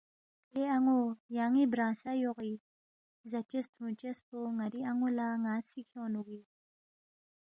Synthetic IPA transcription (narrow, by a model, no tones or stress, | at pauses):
eaŋojaŋibɾãsajoɣi | zat͡ʃestunt͡ʃespoŋaɾiaŋolaŋasikʰjɔnuɡi